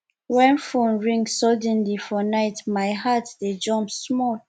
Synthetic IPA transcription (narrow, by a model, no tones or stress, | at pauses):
wɛ̃nfõnɹĩŋɡsɔdɛ̃nlifɔnaɪtmajɦatded͡ʒɔ̃mpsmɔl